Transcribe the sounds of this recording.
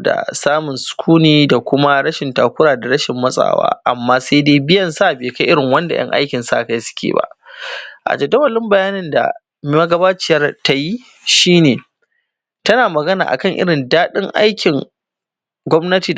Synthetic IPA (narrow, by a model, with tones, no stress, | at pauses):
da̰˨saː˦mʊ˨nsʊ̥˨kʷʰuː˦niː˦da˨kʷʊ˦ma˦ɽɐ˦ʃɪ˨ntaː˨kʷʊ˦ɽaː˨da˨ɾɐ˦ʃɪ˨mːɐ˦sʼa̰ː˨wa̰ː˦ʔa˨mːaː˦sa˦deː˦bɪ˦jɐ˨nsa˦˨beː˨ka˦ʔɪ˦ɾɪ˨ŋwɐ˦nda̰˨j̰ɐ̰˦ŋʔa̰˦jkʲɪ˨nsa˦ʔka˦jsʊ̥˦kʲḛː˨ba̰˦˨ʔʔa̰˨d͡ʒɐ˨dɐ˦wɐ˨lɪ˦mbɐ˨jaː˦nɪ˦nda̰˨ | m˦ma˦ɡɐ˦baː˦t͡ʃɪ˦jɐ˦rta˦ji˦ | ʃiː˦neː˨ | tɐ˦naː˨mɐ˨ɡɐ˦na̰ː˨ʔa̰˨kɐ˦˨ŋʔɪ̰˦ɽɪ˨ndaː˦ɗɪ˦ŋʔa̰˦jkʲɪ˨ŋ | ɡʷɔ˦mnɐ˦tiː˨